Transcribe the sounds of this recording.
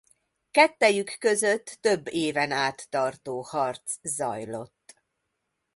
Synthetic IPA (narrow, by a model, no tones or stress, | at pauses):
kɛt̪ːɛjykːø̞zøt̪ːø̞bːeːvɛnaːt̪ːɒrt̪oːhɒrt̪szɒ̰jlo̞t̪ː